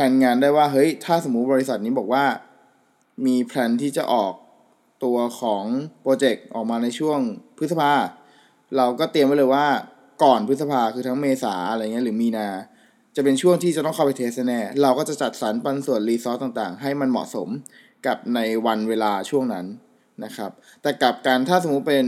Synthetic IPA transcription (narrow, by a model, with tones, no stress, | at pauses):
pʰɛ˧nŋaː˧ndaː˥˩jwaː˥˩ɦɤ˦˥jt̪ʰaː˥˩so˩˦mːu˦˥bɔː˧ɾi˦˥sa˨˩t̪̚niː˦˥bɔː˨˩k̚waː˥˩ | miː˧pʰlɛː˧nt̪ʰiː˥˩t͡ɕa˨˩ʔɔː˨˩k̚ | t̪u˧ɐkʰɔː˩˦ŋpɾoː˧t͡ɕe˨˩k̚ʔɔː˨˩k̚maː˧na˧jt͡ɕʰu˥˩əŋp̪̚ʰsa˧pʰaː˧ | ɾa˧wkɔː˥˩t̪i˧əmːa˦˥˩lɤː˧jwaː˥˩ | kɔː˨˩npʰɯ˦˥sa˧pʰaː˧kʰɯː˧t̪ʰa˦˥ŋmeː˧sa̰ː˩˦ʔa˧ɾa˧jŋi˦˥ɾɯ˩˦miː˧naː˧ | t͡ɕa˨˩pe˧nt͡ɕʰu˥˩əŋt̪ʰi˥˩t͡ɕa˨˩t̪ɔ˥˩kʰa˥˩pa˧jt̪ʰeː˦˥st̚na˧˥nɛː˥˩ɾa˧wkɔː˥˩t͡ɕa˨˩t͡ɕa˨˩t̪̚sa˩˦npa˧nsu˨˩ənliː˧sɔː˦˥t̪̚ːaː˨˩ŋt̪a̰ː˨˩ŋɦa˥˩jma˧nmɔ̰˨˩so˩˦m | ka˨˩p̚na˧jwa˧nweː˧laː˧t͡ɕʰu˥˩əŋna˦˥nː | a˦˥kʰa˦˥p̚ | t̪ɛː˨˩ka˨˩p̚kaː˧nt̪ʰaː˥˩so˩˦mu˦˥t̪̚pe˧n